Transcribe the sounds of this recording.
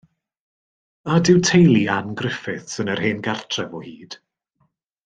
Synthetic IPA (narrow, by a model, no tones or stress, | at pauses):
adɪwtʰejlˠianɡrɪfɪθsənər̥heːnɡartʰrɛvɔhiːd̥